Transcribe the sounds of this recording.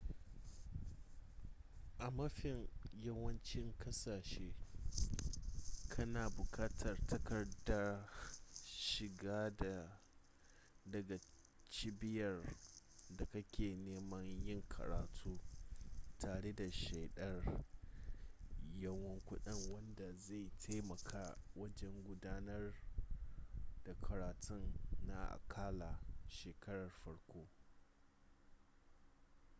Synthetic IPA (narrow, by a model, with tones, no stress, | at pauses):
ʔa˨mɐ˦ɸɪ˨ŋjɐ˦wɐ˦nt͡ʃɪ˦ŋkʰɐ˦saː˨ʃeː˦ | kʰɐ˦naː˨bʊ˨kʰaː˦tʰɐ˨rtʰɐ˦kɐ˨rda˦ | ʃɪ˨ɡaː˦da˨ | dɐ˨ɡa˨ | t͡ʃi˦bɪ˦jɐ˨r | da˨kɐ˦kʲeː˨neː˦mɐ˦ɲjɪ˦ŋkʰɐ̰˨ɾaː˨tʰuː˦ | tʰaː˨ɽe˦da˨ʃe˨jɗɐ˦r | jɐ˦wɐ˦ŋkʷʊ˦ɗɪ˦ŋwɐ˦nda˨za˦˨jtʰa˦jmɐ˨kʰaː˦wɐ˦d͡ʒɛ˦ŋɡʷʊ˦daː˦nɐ˦r | d̥a˨kʰɐ˨ɾaː˨tʰʊ˦nːa˨ʔa̰˨kʰaː˦la˨ʃeː˨kɐ˦ɽɐ˨rɸɐ˦ɽkʷoː˦